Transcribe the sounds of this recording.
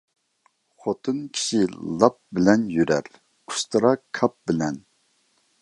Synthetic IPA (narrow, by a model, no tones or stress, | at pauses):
χot̪ʰɨnkʲʰi̥ʃilˠɑp̚bɪlɛnjyɾɛɾ | ʊ̥st̪ʰɨɾɑkʰːɑp̚bɪlɛn